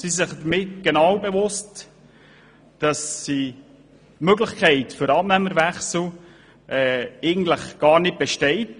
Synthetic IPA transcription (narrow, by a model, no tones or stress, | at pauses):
sisɪχdəmɪtɡ̥enɑwbevʊst | d̥ɑsːi | tmøɡləχkʰɛɪtfʏɾɑːp̚næməɾvæχsl̩ | ʔɛɛɪɡn̩tləχɡ̥ɑːɾnɪt̚b̥eɛʃtɛɪt